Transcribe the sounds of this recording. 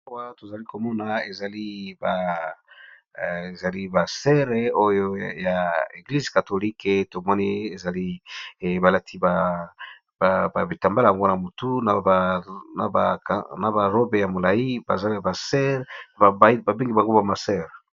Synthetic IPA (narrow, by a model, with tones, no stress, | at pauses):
a˦wa˦to˨za˨li˦ko˨mɔ˦na˨e˨za˨li˦ba˨ | e˨za˨li˦ba˨sɛ˦ʁe˦o˦jo˦ja˨e˨ɡli˦zka˨to˨li˦kto˨mɔ˦nɛ˦e˨za˨li˦˨ | ba˨la˦tʰi˦ba˨ | ba˨ba˨bi˨ta˨mba˦la˨ja˨ŋɡo˦na˨mo˨tu˦na˨na̰˨ba˨na˨ba˨ʁo˦be˨ja˨mo˨la˨i˦ba̰˨za˦li˦ja˨ba˨sɛ˦ʁna˨ba˨bba˨be˦ŋɡi˨ba˨ŋɡo˦ba˨ma˨sɛ˦ʁ